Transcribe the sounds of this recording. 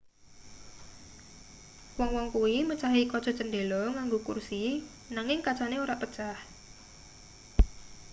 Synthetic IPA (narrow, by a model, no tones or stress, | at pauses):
wɔŋwɔŋkuwimət͡ʃaɦikɔ̥t͡ʃɔ̤̥t͡ʃənɖelɔŋaŋɡokṵrsi | naŋɪŋkat͡ʃaneoɾaʔpət͡ʃah